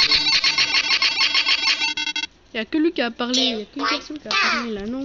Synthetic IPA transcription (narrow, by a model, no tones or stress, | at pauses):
iljakəlɥikʲiapaʁleljakynpɛʁsɔnkʲiapaʁlelanɔ̃